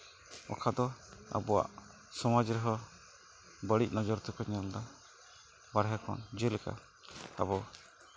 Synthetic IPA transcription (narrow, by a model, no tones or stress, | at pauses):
ɔ̰kʰad̪ɔa̰bɔwa̰ʔ | sɔmad͡ʒɾɔɦɔ | bəɽic̚nɔd͡ʒɔɾt̪ɔkɔɲɛld̪a | baɽɦɛkʰɔ̰nd͡ʒəlɛka̰ | a̰bɔ